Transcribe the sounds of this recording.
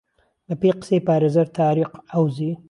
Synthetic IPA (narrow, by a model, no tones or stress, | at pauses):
lapeqsepaːɾazɐɾt̪ʰaːɾiqawzi